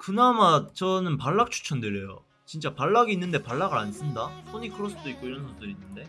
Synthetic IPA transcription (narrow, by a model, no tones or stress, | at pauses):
kɯnamat͡ɕʌnɯnpaɭːak̚t͡ɕʰu̥t͡ɕʰʌndɯɾejo̰ | t͡ɕint͡ɕ͈apaɭːaɡiːnːɯnde̞paɭːaɡɯɾans͈ɯndas͈ʰoɲikʰɯɾos͈ʰɯd̥͈oit̚k͈oiɾʌnɡʌt͈ɯɾinːɯnde̞